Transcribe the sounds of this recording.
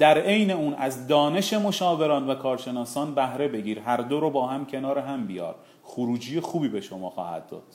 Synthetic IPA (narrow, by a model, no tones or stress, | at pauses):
d̪̥æɾe̞jne̞uːnæzd̪ɒːne̞ʃe̞mo̞ʃɒːve̞ɾɒːnvækʰɒːɾʃe̞nɒːsɒːnbæhɾe̞be̞ɡiːɾɦæɾd̪oɾobɒːɦæmcʰe̞nɒːɾeɦæmbijɒ̰ːɾ | xuɾuːd͡ʒijexuːbiːbe̞ʃo̞mɒːxɒ̰ːhæ̰d̪̥̚ːɒ̰ːd̪̥